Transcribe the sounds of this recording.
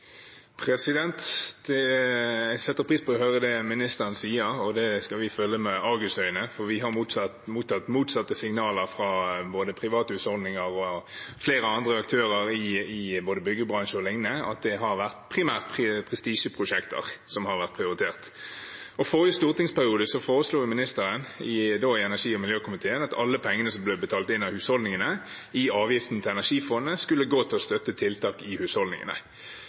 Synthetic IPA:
pʰɾɛsɪd̪ɛnt̪d̪̥ɛ | sɛt̪ːəɾpʰʁiːspʰɔɔhøɾəd̪ɛmɪnɪst̪əʁnsiːəɾɔd̪ɛskɑʋɪfœlːəmɛɑɡʉst̪œʏnəfɔɾʋɪɦɑɾmuːt̪sɑt̪muːt̪ʰɑt̪ːmuːt̪sɑt̪ːəsɪŋnɑːləɾfʁɑboːd̪əpʰʁɪʋɑːt̪əʉːt̪ɔld̪nɪŋəʁɔfleːɾəɑnd̪ʁəɑkt̪ʰøːʁəɾɪɪboːd̪əbʏɡːəbʁɑnʃəɔlɪŋnəɑ̰t̪̚d̪ɛɦɑʁʋæʁt̪pʰʁɪmæːʁt̪pʰpʰʁɛst̪iːʃəpʰʁʊʂɛkt̪ə̰ʁsɔmhɑʁʋæʁt̪̚pʰʁɪʊʁɪt̪ʰeːʁt̪ | ɔfɔʁjəst̪uːʁt̪ɪŋspæʁɪuːd̪əsɔfoːɾəsluːʊmɪnɪst̪əʁənɪd̪oːɪɛnæʂiːɔmɪljøːkʰʊmɪt̪ʰeːənɑt̪ɑlːəpʰɛŋːənəsɔmblɛbət̪ʰɑːlt̪ɪnːɑhʉːshɔld̪nɪŋənə | ɪɑːʋjɪft̪n̩t̪ʰɪlɛnæʁʂiːfɔnːəskʉlːəɡoːt̪ʰɪlɔst̪œt̪ːət̪ʰɪlt̪ɑːkɪhʉːshɔld̪nɪ̰ŋə̰nə̰

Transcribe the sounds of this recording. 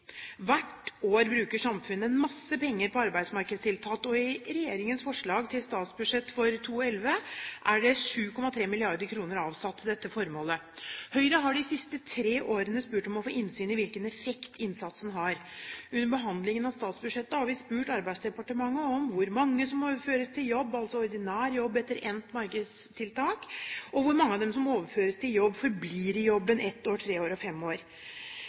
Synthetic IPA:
ʋæʈoːɾbɾʉːkəʂɑmfʉnːəɛnmɑsːəpɛŋːəɾpɔɑɾbæɪd̪smɑɾkəd̪st̪ʰɪlt̪ʰɑːt̪ɔɪɾɛjeːɾɪŋənsfɔʂɭɑːɡt̪ʰɪlst̪ɑːt̪sbʉdʂɛt̪ːfɔɾt̪ʰuːɛlʋəʔæɖɛʂʉːkʰɔmɑt̪ʰɾeːmɪlɪɑɾd̪əkʰɾuːnəɾɑːʋsɑt̪ʰːd̪ɛt̪ːəfɔɾmoːləhœʏɾəɦɑɖɪsɪst̪ət̪ʰɾeːʔoːɾənəspʉːʈɔmɔfoːʔɪnsyːnɪʋɪlkənɛfɛkt̪ʰɪnsɑt̪snɦɑɾʉnːəɾbəɦɑnd̪lɪŋənɑʋst̪ɑːt̪sbʉʂɛt̪ːəhɑɾʋɪspʉːʈɑɾbæɪsd̪ɛpɑʈəmɑŋːəɔmʋʊɾmɑŋːəsɔmoːʋəɾføːɾəst̪ʰɪljɔbːɑlt̪sɔɔɾd̪ɪnæːɾjɔbːɛt̪ːəɾɛnt̪mɑɾkəd̪st̪ʰɪlt̪ʰɑːkɔʋʊɾmɑŋːəɑʋd̪ɛmsɔmoːʋəɾføːɾəst̪ʰɪljɔbːfɔɾbliːɾɪjɔbːənʔɛt̪ːoːʈʰɾeːoːɾɔfɛmːoːɾ

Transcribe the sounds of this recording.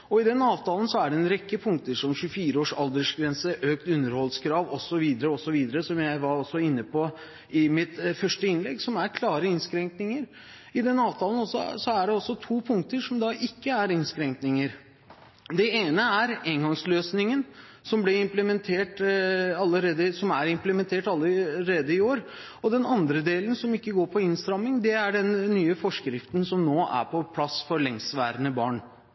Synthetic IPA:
ɔɪd̪ɛnɑːʋt̪ʰɑːlənsɔæɖɛɛnɾɛkːəpʰʊŋk̚t̪əʂɔmɕʉəfiːɾəoːʂɑld̪əʂɡɾɛnsəʔøːk̚t̪ʉnːəɾhɔlskʰɾɑːʋɔsːɔʋiːd̪əɾəɔsɔʋiːd̪əɾəsɔmjæɪʋɑɾɔsːɔɪnːəpɔ | ɪmɪt̪fœʂʈəɪnlɛɡsɔmæɾkʰlɑːɾəɪnskɾɛŋknɪŋəɾ | ɪd̪ɛnɑːʋt̪ʰɑːlənɔsːɔ̰sɔæɖɛɔsːɔt̪ʰuːpʰʊŋk̚t̪əʂɔmd̪ɑʔɪkːəæɾɪnskɾɛŋknɪŋəɾ | d̪ɛeːnəæɾeːŋɡɑŋsløːsnɪŋən | sɔmblɪɪmpləmɛnt̪ʰeːʈɑlːəɾeːd̪əsɔmæɾɪmpləmɛnt̪ʰeːʈɑlːəɾeːd̪əɪoːɾ | ɔd̪ɛnɑnd̪ɾəd̪eːlənsɔmɪkːəɡoːɾpʰɔɪnst̪ɾɑmːɪŋd̪ɛæɖɛnːyːəfɔʂkɾɪft̪nsɔmnoːʔæ̰ɾpʰɔpʰlɑsfɔɾlɛŋsʋæ̰ːɾənəbɑ̰ːɳ

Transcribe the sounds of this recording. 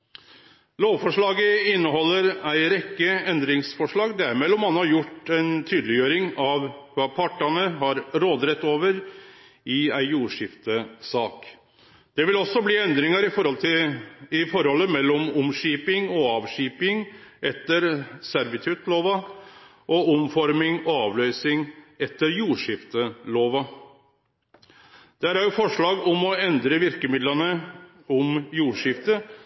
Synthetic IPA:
loːʋfɔʂɭɑːɡəɪnːəɦɔlːəɾæɪɾɛkːəɛnd̪ɾɪŋsfɔʂɭɑːɡd̪æɾmeːlɔmhɑnhɑɾjʊʈːæɪnt̪ʰyːd̪lɪjøːɾɪŋɑʋʋɑːpʰɑʈːɑnəɦɑɾɾoːd̪ɾɛt̪ːoːʋəɾ | ɪæɪjuːʂɪft̪əsɑːk | d̪̥ɛʋɪlɔsːɔbliːɛnd̪ɾɪŋəɾɪfɔɾhɔlt̪ʰɪɪfɔɾhɔlːəmɛlːɔmɔmʂiːpɪŋɔɑːʋʂiːpɪŋʔɛt̪ːəɾsæɾʋɪt̪ʰʉt̪loːʋɑ | ʔɔɔmfɔɾmɪŋɔɑːʋlœʏsɪŋɛt̪ːəɾjuːʂɪft̪əloːʋɑ | d̪̥æɾæɾjʊfɔʂɭɑːɡɔmɔɛnd̪ɾəʋɪɾkəmɪd̪lənə | ɔmjuːʂɪft̪ə

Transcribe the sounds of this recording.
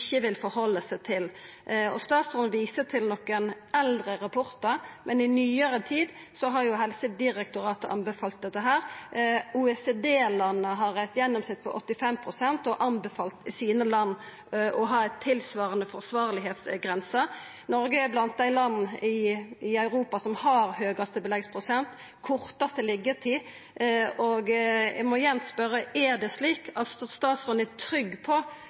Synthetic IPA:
çːəʋɪlfɔɾhɔlːəsæɪt̪ʰɪl | ɔ̰st̪ɑːt̪sʊnʋiːsət̪ʰɪlnɔkːənʔɛld̪ɾəɾɑpʰɔɾt̪əɾmʔɛnɪnyːəɾət̪ʰiːd̪ | sɔɦɑɾjʊɦɛlsəd̪ɪɾɛkt̪ʊɾɑːt̪əʔɑ̰nbəfɑlt̪̚d̪ɛt̪ːəɦæːɾ | uːɛseːd̪eːlɑnːəɦɑɾæɪt̪jɛnːɔmsɪt̪̚pʰɔ̰ʔɔt̪ːɪfɛmpʰɾʊsɛnt̪ɔʔɑnbəfɑlt̪ɪsiːnəlɑnː | ɔɦɑːæɪt̪ʰːɪlsʋɑːɾənəfɔʁsʋɑːɾlɪɦeːt̪sɡʁɛnsɑ | nɔɾɡəɛblɑnt̪̚d̪æɪlɑnːɪɪœʉɾuːpɑsɔmhɑɾhøːɡɑst̪əbəlɛɡspʰʁʊsɛnt̪ | kʰɔɾt̪ɑst̪əlɪɡːət̪ʰiː | ɔɡmɔjɛnspœɾːəʔɛd̪ɛsliːkʰɑt̪st̪ɔst̪ɑːt̪sʁɔnət̪ʰɾʏɡːpʰɔ

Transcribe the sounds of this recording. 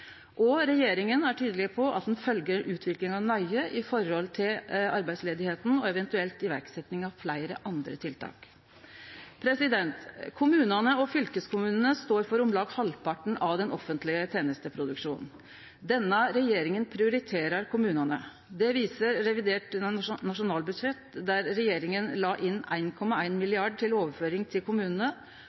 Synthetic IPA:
ʔɔɾɛjeːɾɪŋənæʈʰyːd̪əlɪpʰɔʔɑ̰t̪̚d̪ɛnfœlɡəɾʔʉːt̪ʰʋɪklɪŋɑʋnœʏəʔɪfɔɾhɔlt̪ʰɪlɑɾbæɪsleːd̪ɪheːt̪n̩ɔɛʋɛnt̪ʉɛlt̪ɪʋæ̰ɾksɛt̪nɪŋɑʋflæɪɾə̰ʔɑnd̪ɾə̰t̪ʰɪlt̪ʰɑ̰ːk | pʰɾɛsɪd̪ɛnt̪kʰʊmʉːnɑnəɔfʏlkəskʰʊmʉːnənəst̪oːɾfɔɾʊmlɑːɡhɑlpʰɑʈɳ̩ʔɑʋd̪ɛnʔɔfːənt̪lɪət̪ʰjeːnəst̪əpʰɾʊd̪ʉkʂuːnn | d̪ɛnːəɾɛjeːɾɪŋənpʰɾɪʊɾɪt̪ʰeːɾəɾkʰʊmʉːnɑnə̰ | d̪ɛʋiːsəɾːɛʋɪd̪eːʈnɑʂʊnɑːlbʉd̪ʂɛt̪d̪æɾːɛjeːɾɪŋənlɑːʔɪnːæ̰ɪnkʰɔmɑæɪnmɪlɪɑɖʈʰɪloːʋəɾføːɾɪŋt̪ʰɪlkʊmʉːnən̩ə

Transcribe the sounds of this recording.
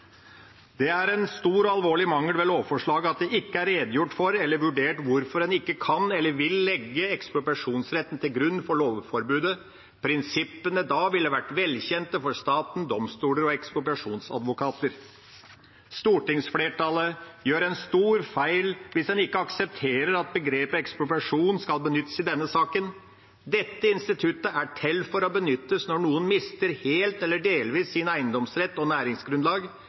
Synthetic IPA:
d̪ɛæɾɛnst̪uːɾɔɑlʋoːɭɪmɑŋːəlʋɛloːfɔʂɭɑːɡəɑt̪̚d̪ɛʔɪkːəæɾeːd̪jʊʈːfɔɾɛlːəɾʋʉɖeːʈʋʊɾfɔɾdɛnɪkːəkʰɑnɛlːəɾʋɪlːɛɡːəɛksplɔʈɑʂuːnsɾɛt̪ːn̩t̪ʰɪlɡɾʉnːfɔɭoːʋfɔɾbʉːd̪ə | pʰɾɪnsɪpːənəd̪ɑʋɪlːəʋæʈːʋɛlçɛnt̪əfɔɾst̪ɑːt̪n̩d̪ɔmst̪uːləɾɔɛksp̪ɔʈɑʂuːnsɑ̰d̪ʋʊkʰɑːt̪əɾ | st̪uːʈɪŋsfleːʈɑləjøːɾɛnst̪uːɾfæɪlʋɪsd̪ɛnɪkːəɑksɛp̚t̪ʰeːɾəɾɑt̪̚bəɡɾeːpəɛksplʊpɑʂuːnskɑlbənʏt̪ːə̥sɪd̪ɛnːəsɑːkən | d̪ɛt̪ːəɪnst̪ɪt̪ʰʉt̪əæʈʰɛlːfɔɾɔbənʏt̪ːəsnɔɳuːənmɪst̪əɾheːlt̪ɛlːəɖeːlʋiːsːɪnæɪənd̪ɔmsɾɛt̪ːɔnæːɾɪŋsɡɾʉnlɑːɡ

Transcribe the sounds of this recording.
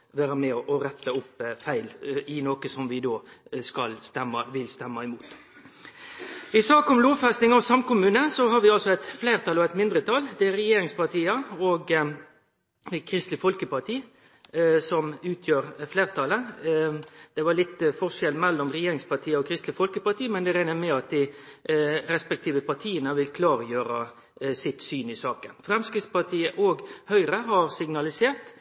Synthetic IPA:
ʋæːɾəmɛɔʔɔɾɛt̪ːəʊpːfæɪlɪnoːkəsɔmʋɪd̪oːskɑlst̪ɛmːɑʋɪlst̪ɛmːɑɪmuːt̪ | ɪsɑːkʊmloːʋfɛst̪ɪŋɑʋsɑmkʊmʉːnəsɔɦɑɾʋɪɑlsɔæɪt̪fleːʁt̪ʰɑlɔæɪt̪mɪnd̪ɾət̪ʰɑld̪ɛæɾɛjeːɾɪŋspɑʁt̪ʰiːəɔːɡ | kʰɾɪst̪lɪfɔlkəpɑɾt̪ʰiː | sɔmʉːt̪ʰjøːɾfleːʁt̪ʰɑlə | d̪̥ɛʋɑlɪt̪ːfɔʁʂɛlmɛlːɔmʁɛjeːɾɪŋspɑt̪ʰiːəɔkʰɾɪst̪lɪfɔlkəpɑt̪iːmɛnd̪ɛɾæɪnəmɛɑt̪̚d̪ɪ | ɾɛspɛk̚t̪ʰiːʋəpɑt̪ʰiːənəʋɪlkʰlɑːɾjøːɾɑ | sɪt̪syːnɪsɑːkənfɾɛmskɪt̪spɑt̪ʰiːəʔoːɡhœʏɾəɦɑɾsɪɡnɑlɪseːʁt̪

